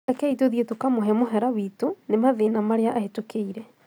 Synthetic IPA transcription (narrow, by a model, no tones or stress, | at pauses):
ekɛitoðietokamoɦɛmoɦɛɾawiːtonemaðeːnamaɾeaʔaɦetokeiɾɛ